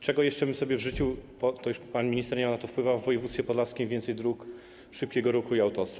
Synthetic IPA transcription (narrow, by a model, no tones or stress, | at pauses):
t͡ʂɛɡɔjɛʂt͡ʂɛbɘmsɔbʲjɛvʐɘt͡ɕiwpɔt̪ɔjuʂpanmʲiɲist̪ɛɾɲɛmanat̪ɔfpwɘvavːɔjɛvut̪fʲɛpɔd̪laskʲimvʲɛnt̪sɛjd̪ɾuk | ʂɘp̚kʲɛɡɔɾuxuiawt̪ɔst̪ɾa